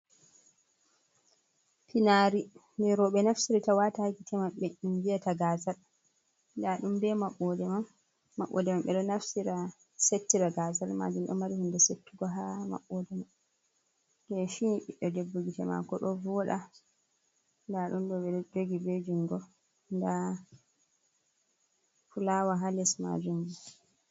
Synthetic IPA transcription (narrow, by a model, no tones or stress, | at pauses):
pinaɾindɛɾɔɓɛnafsiɾitawatakitʰɛmaɓɛɗumvijataɡazal | ndaɗumdɛmaɓɔdɛmaː | aɓːɔ̰dɛmamɓɛɗɔnafsiɾa | setːiɾaɡazalma̰d͡ʒumɗɔ̰maɾihundɛsetːuɡɔɦama̰ɓːɔdɛman | dɛfiɓiɗɔdebːuɡitɛma̰kɔɗɔvɔɗa | ndaɗumɗɔɓɛd͡ʒoɡibed͡ʒiŋɡɔ | nda | fulawaɦalɛsma̰d͡ʒumd͡ʒɛ